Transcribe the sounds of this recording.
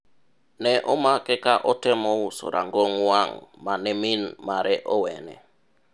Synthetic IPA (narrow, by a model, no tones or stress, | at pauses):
nɛʔɔmakɛkaʔɔtɛmɔwuso̰ɾʔa̰ŋɡɔŋwaŋmanɛminmaɾʔɛʔɔwɛnɛ̰